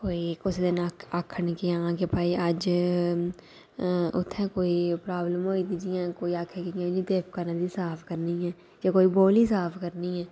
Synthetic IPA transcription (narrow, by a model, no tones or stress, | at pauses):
koːikʊsd̪ɪnaaːkʰənkiaãkepaːiəd͡ʒ | ʊ̰t̪ʰːɛ̃koːipɾaːbləmɦoːid̪id͡ʒiɛ̃ːkoːiaːkʰekiãd͡ʒĩt̪eːpkanad̪isaːpʰkəɾniɦɛː | jakoːiboːlisaːpʰkəɾniɦɛː